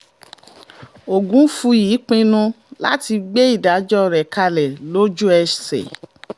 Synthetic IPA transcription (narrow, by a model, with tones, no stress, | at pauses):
o˨ɡũ˨˦fu˧jiː˨˦k͡pĩ˧nũ˧ | la̰˦ti˧ɡ͡be˦i˦˨da˨˦d͡ʒɔ˦˨ɾɛ˨ka˧lɛ˨lo˦d͡ʒu˦ɛ˧ʃsɛ̰˨